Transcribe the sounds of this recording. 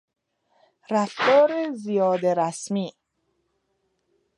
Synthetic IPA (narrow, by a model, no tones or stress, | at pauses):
ɾæfd̪ɒːɾezijɒːd̪eɾæsmiː